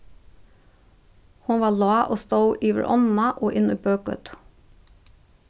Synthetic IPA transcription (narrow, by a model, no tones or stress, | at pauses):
hʊnʋɑːlɑːʔoːst̪əʉʔiːʋə̰ɾʔɔnn̩ɑʔoːʔɪnəbøːkə̰t̪